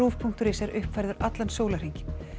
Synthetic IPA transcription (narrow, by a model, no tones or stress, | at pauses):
uːfpʰuŋ̥t̪ʏɾɪsɛɾʔʏhpvajɾðʏɾat̪lansjoːwlar̥iɲcɪ̥